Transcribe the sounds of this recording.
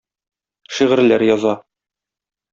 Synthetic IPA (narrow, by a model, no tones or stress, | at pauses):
ʃiʁɘ̆ɾlæɾjɒzɑ